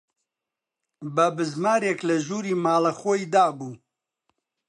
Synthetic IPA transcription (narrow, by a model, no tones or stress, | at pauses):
bɐbɨzmaːɾeklɐʒuːɾiːmaːlɐxojd̪aːbuː